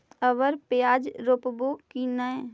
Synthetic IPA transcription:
əʋəɾpɪjaːd͡ʒɾopbokinə̃

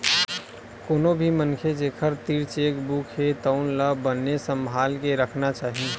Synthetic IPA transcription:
koːnobʱimənkʰed͡ʒeːkʰəɾt̪iːɾt͡ʃeːkbukʰɦet̪əʊnləbənːesəmbʱaːlkeɾəkʰnat͡ʃaːɦi

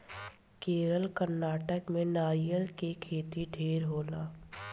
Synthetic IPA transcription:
keːɾəlkəɾnaːʈəkmẽnaːjəlkekʰeːt̪iɖʱeːɾɦoːlaː

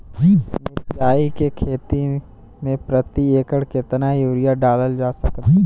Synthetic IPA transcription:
d͡ʒnɪɾd͡ʒaːikekʰeːt̪i | mẽpɾət̪ieːkəɽkɪt̪najuːɾɪjaɖaːləld͡ʒaːsɐk

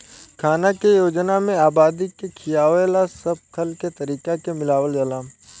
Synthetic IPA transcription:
kʰaːnakejoːd͡ʒnamẽaːbaːd̪ikekʰɪjaːʋelasɐb̚kʰəlket̪ɐɾiːkakemɪlaːwəld͡ʒɐlaː

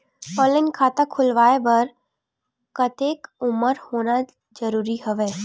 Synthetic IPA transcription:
ɔːlɪnkʰaːt̪akʰʊlʋaːebɐɾ | kɐt̪eːkʊməɾhoːna | d͡ʒəɾuːɾiɦəʋeː

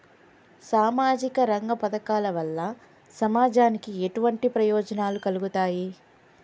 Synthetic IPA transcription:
saːmaːd͡ʒikɐɾɐŋɡɐpɐd̪ɐkaːlɐʋɐlːɐ | sɐmaːd͡ʒaːnikieʈuʋɐɳʈipɾɐjɔːd͡ʒɐnaːlukɐluɡut̪aːji

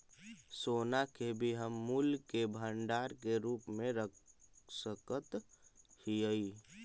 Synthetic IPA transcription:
soːnakebʱiɦəmːuːlkebʱəɳɖaːɾkeɾuːpmẽɾəksəkət̪hiəi

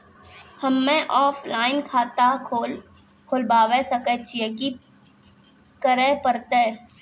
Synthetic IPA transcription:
hɐmːẽʔɔːflaːɪnkʰaːt̪ao | kʰoːlbaːʋesɐket͡ʃʰieki | kəɾepəɾt̪e

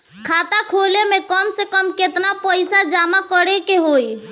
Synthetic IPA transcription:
kʰat̪akʰolemekəmsekəmket̪napəjsad͡ʒamakəɾekeɦoj

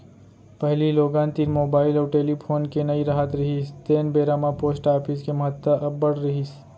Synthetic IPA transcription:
pɐɦliloːɡãːnt̪iɾmoːbaːɪlɔːɾʈeːlipʰoːnkenɐiɾɐɦət̪ɾɐɦist̪eːnbeːɾaːmapoːsʈaːɾpʰɪskemɐɦət̪ːəʔɐbːɐɽɾɐɦis

